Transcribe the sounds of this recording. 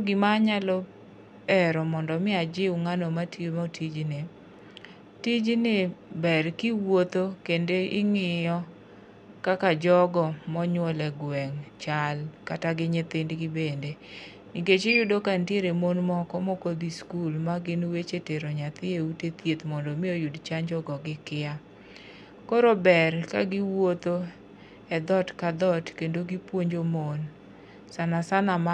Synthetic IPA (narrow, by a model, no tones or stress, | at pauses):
ɡɪmaɲalɔ | ɛɾɔmɔndɔmɪad͡ʒɪwŋanomatʰimɔtʰid͡ʒnɪ | tid͡ʒnɪbɛrkɪwot̪okendeɪŋɪjɔ | kakad͡ʒɔɡɔmɔɲwɔlɛɡwɛŋt͡ʃalkataɡɪɲɪt̪ɪndɡɪbende | niket͡ʃejudokantieɾemonmɔkɔmokod̪iskulmaɡɪnwet͡ʃeteɾoɲat̪ɪeutet̪jet̪mɔndomɪojudt͡ʃaɲd͡ʒɔɡɔɡɪkɪa | koɾobɛɾka̰ɡɪwot̪o | ɛd̪ɔtkad̪ɔtkendoɡɪpwoɲd͡ʒomon | sanasanama